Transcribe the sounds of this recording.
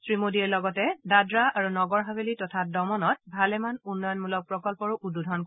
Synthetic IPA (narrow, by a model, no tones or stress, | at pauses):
sɹimodiɛɹlɔɡɔtɛdadɹaaɹunɔɡɔɹɦabelitɔtʰat̚dɔmɔnɔt̚bʱalɛmanunːɔjɔnmulɔk̚pɹɔkɔlpɔɹuʔududʱɔnk